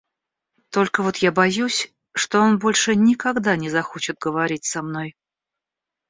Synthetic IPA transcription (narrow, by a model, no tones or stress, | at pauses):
t̪o̞lʲkəvo̞t̪jabɐjusʲ | ʂt̪oo̞nbo̞lʲʂɨnʲɪkɐɡd̪anʲɪzɐxo̞t͡ɕɪt̪̚ɡəvɐɾʲit̚ʲsɐmno̞j